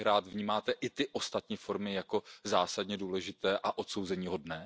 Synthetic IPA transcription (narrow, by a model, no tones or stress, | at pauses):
ɾaːt̪vɲiːmaːt̪ɛʔɪt̪ɪʔo̞st̪at̪ɲiːfo̞ɾmɪjako̞zaːsadɲɛduːlɛʒɪt̪ɛːʔaʔo̞t̪so̞wzɛɲiːɦo̞dnɛː